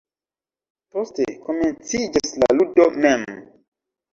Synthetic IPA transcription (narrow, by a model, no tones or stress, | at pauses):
posteko̞ment͡sid͡ʒasla̰ludomem